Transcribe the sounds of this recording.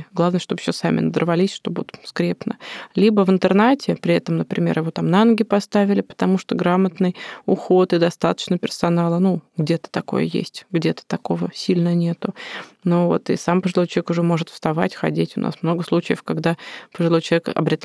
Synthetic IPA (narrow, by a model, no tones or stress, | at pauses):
ɡlˠavnəjəʂt̪o̞b̥ɕːosamʲɪ̰nəd̪ərvɐlʲisʲʂt̪o̞bt̪skɾʲepnə̰lʲibəvɨnt̪ɨrnatʲɪpɾʲɪɛt̪əmnəpɾʲɪmʲe̞̰rjɪvo̞t̪amnanəɡʲɪpɐst̪avʲɪlʲɪpə̥t̪ɐmuʂt̪oɡɾamət̪nɨjʊxo̞t̪ɨd̪ɐst̪at̪ə̥t͡ɕnəpʲɪrsɐnalˠənuɡdʲe̞t̪ə̥t̪ɐko̞̰jə̰jḛsʲtʲɡdʲet̪ə̥t̪ɐko̞vəsʲilʲnənʲe̞t̪ʊnovo̞̰t̪ɨ̰sampəʐɨlˠo̞jt͡ɕˠvʲekʊʐɛmo̞ʐɨt̪fst̪ɐva̰tʲxɐ̰dʲetʲʊna̰smno̞ɡəslˠut͡ɕɪjəfkaɡd̪apəʐɨlˠo̞jt͡ɕ̪ˠvʲekɐ̰bɾʲɪt̪